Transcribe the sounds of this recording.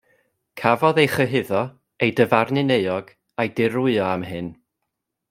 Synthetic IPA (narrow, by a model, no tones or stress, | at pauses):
kʰavɔðejχəɦɪðɔ | ejdəvarnɨneɨɔɡ̥ | ajdɪɾʊɨɔamɦɨn